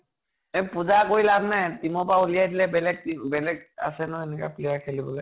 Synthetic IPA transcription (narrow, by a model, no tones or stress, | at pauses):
ɛpuzakoɹilabnajtimɔpaulijajdilɛbɛlɛɡ̚tibɛlɛɡ̚a̰sɛnʊɛnɛka̰plijakʰelibɔlɛ